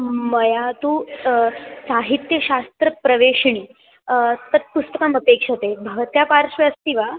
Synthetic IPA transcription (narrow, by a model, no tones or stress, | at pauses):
məjat̪uː | saɦit̪jəɕast̪ɾəpɾəʋeɕɳiː | t̪əɾpust̪əkaməpekʂət̪ebʱəʋt̪japaɾʂʋeəst̪iːʋa